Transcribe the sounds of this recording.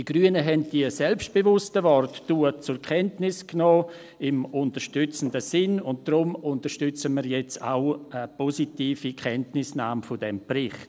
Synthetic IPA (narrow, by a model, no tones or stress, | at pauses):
d̥iɡ̥ryənəɦɛnt̚d̥iəsɛlpst̚b̥evʊstəvɔrtd̥uət͡sʊɾkʰɛntnɪsknɔː | ɪmʊntəʃtʏt͡sn̩dəsɪnʊnt̚d̥rʊmʊntəɾʃtʏt͡səmiːɾjɛt͡sa̰ʊəpositiːfikʰɛntnɪsnaːmfʊdɛmprɪχt